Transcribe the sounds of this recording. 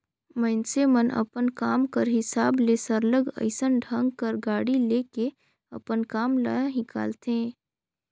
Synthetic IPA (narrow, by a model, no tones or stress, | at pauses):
məɪnsemənʔɐ̰pənkaːmkəɾɦɪsaːblesəɾləɡə̰ɪsənɖʱə̃ŋɡkəɾɡaːɽileːke | ɐ̰pənkaːmla̰jaɦɪka̰ːlt̪ẽː